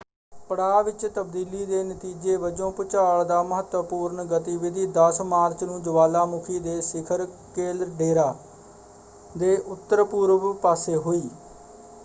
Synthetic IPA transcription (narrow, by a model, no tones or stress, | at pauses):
pəɽaːʋɪt͡ʃt̪əbd̪iːliːd̪eːnət̪iːd͡ʒeːbəd͡ʒõːpʊt͡ʃaːɭd̪aːməɦət̪əpuːɾɳɡət̪iːʋɪd̪ʱiːd̪əsmaːɾt͡ʃnũːd͡ʒʊʋaːlaːmʊkʰiːd̪eːsɪkʰəɾ | keːlɾɖeːɾaː | d̪eːʔʊt̪ːəɾpuːɾʋpaːseːɦoːiː